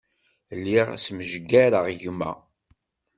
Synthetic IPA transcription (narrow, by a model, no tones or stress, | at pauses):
lːiʁsməʒəɡːæɾəʁʝumæ̰